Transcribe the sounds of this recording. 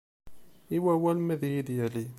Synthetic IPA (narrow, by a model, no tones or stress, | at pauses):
iwæwælmæðjid̪jæli